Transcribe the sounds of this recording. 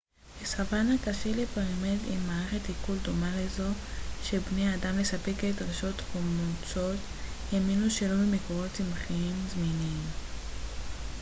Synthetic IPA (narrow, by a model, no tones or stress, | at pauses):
hesavanakaʃelepaʁmedimːaːʁeχetikuldomalezo̞ʃebneadamlesapeketʁeʃo̞tomut͡so̞t | jaminuʃe̞lo̞bemekoʁo̞tt͡simχiimzminim